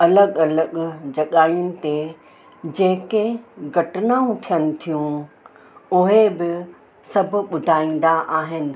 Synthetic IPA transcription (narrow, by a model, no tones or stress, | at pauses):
ɐləɠɐləɠd͡ʑɐɠaːjʊnɪ̆t̪e | d͡ʑeɦɪ̃keɡʱɐʈnaːũt̪ʰijənɪ̆t̪ʰijũ | ʊɦebɪ | sɐbʱʊ̆ɓʊd̪ʱaːĩːn̆d̪aʔaːɦɪnɪ̆